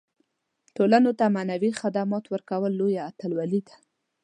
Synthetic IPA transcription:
ʈolanot̪amanawixad̪amɑt̪wəɾkawəlːojaːt̪əlwalid̪ḁ

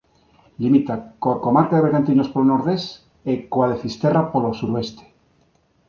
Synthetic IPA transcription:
limit̪akoɾkomaɾkaðeβeɾɣant̪iɲospolonoɾðes | ekwaðefist̪erapolosuɾoest̪e̥

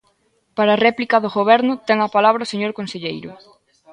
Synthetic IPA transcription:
paɾaːrɛplikɐðʊɣoβɛɾnʊt̪ɛŋɐpalaβ̞ɾɐʊseɲoɾkõnseʎejɾʊ

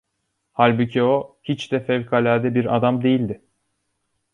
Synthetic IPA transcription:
halʲbucʰiohit͡ʃd̪ɛfɛvkʰalʲæɾd̪ɛbiɾad̪amd̪e̞jilʲd̪ɪ

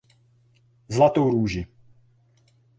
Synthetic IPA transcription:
zlat̪owɾuːʒi

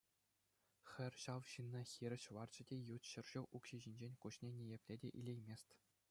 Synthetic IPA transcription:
xʲɘ̆rʲɕɑʋɕɯnːɑxʲiɾʲɘ̆ɕʋɑrd͡ʑɘ̆dʲejut̪ɕɘ̆rʑ̥ŭʔukɕiʑinʲd͡ʑenʲkuɕnʲenʲejepʲlʲedʲeʔḭlʲejmʲesʲtʲ

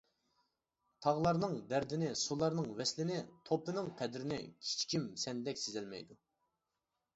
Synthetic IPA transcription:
t̪ʰɑʁlˠɑɾnɨŋb̪æɾd̪ɪnɪsulˠɑɾnɨŋwɛslɪnɪt̪ʰoplˠɨnɨŋqʰɛd̪ɾɪnɪ̰kʲʰi̥t͡ʃʰkʲimsɛnlɛkʲsezɪlmɛ̰jd̪u

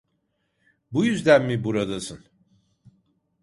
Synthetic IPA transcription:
bujyzd̪ænmibuɾad̪asɯn

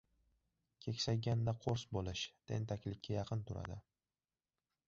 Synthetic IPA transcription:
kʲʰe̞kʲsajɡʲand̪aqʰoɾsbolˠɪʃt̪ʰe̞̰nt̪ʰakʲlɪkʲʰːajɑqʰɨnt̪ʰʊɾa̰d̪ɪ

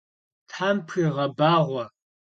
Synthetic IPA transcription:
tħampʰxiʁɐbaːʁʷɔ

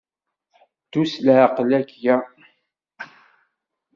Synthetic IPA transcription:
d̪uslʕaqlækjæ

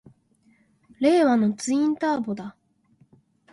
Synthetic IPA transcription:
ɾe̞ːβano̞t͡sɨĩnt̪aːbod̪a

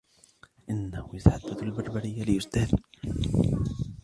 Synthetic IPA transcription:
ʔɪnːahʊjasħad̪ːalbɑɾˤbaɾɪjːalɪʔʊst̪aːd̪

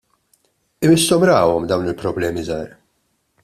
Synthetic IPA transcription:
ɪmɪst̪ɔmɾɐːwɔmd̪ɐwnɪlpɾɔblɛːmizɐːɾ

